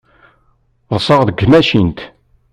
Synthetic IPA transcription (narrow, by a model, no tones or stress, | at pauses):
ðˤsˤəʁðəɡːmæʃint̪